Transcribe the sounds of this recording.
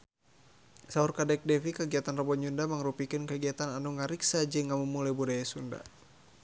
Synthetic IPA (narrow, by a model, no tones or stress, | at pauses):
saurkadɛk̚dɛfikəɡiat̪anrɔbɔɲd͡ʒundaməŋɾupikɨnkəɡiat̪ananuŋaɾiksad͡ʒɨŋamumːulajbudajasunda̰